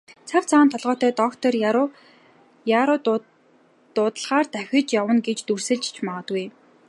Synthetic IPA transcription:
t͡sʰar̥t͡sʰaːnt̪ʰɔɮʁɔːt̪œːt̪ɔkt̪ʰɔr | jaɾʊː | ʊːt̪ə̆ɮʁaːrt̪æxʲɪ̆t͡ɕjawə̆nɡet͡ɕt̪ur̥sɘ̆ɮt͡ɕt͡ɕʰmaʁə̆t̪ɡuj

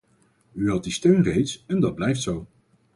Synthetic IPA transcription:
yɦɑt̚distøɥnrejtsɛndɑd̚blɛjftsow

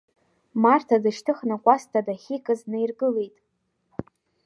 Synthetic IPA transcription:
martʰadɨʃtʰɨχnakʷʼastʰadaχʲikʼɨznejrɡɨle̞jtʼ

